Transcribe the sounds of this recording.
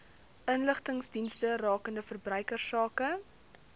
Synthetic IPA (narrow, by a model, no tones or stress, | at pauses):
ʔənləχtəŋsdinstərɑːkəndəfərbrœɥkərsɑːkə